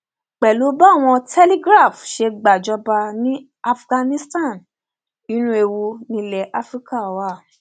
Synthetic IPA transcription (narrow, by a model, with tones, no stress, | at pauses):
k͡pɛ˨lo˨˦ba˦˨w̃ɔ̃˧tʰɛ˦li˦ɡɾa˦˨fʃe˧ɡ͡ba˨d͡ʒɔ˧˦ba˧nĩ˦ | a˧fɡã˧nĩ˦stã˦˨n | i˦nũ˦e˧wu˧nĩ˧˦lɛ˨ʔa˦fɾi˦ka˦˨˦wa˦˨